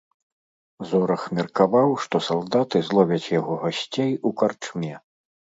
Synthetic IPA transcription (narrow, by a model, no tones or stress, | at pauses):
zɔɾɐxmʲɛrkavawʂt̪ɔsalˠd̪at̪ɨzlˠɔvʲɐt͡sʲjaɣɔɣasʲt͡sʲejukart͡ʂmʲɛ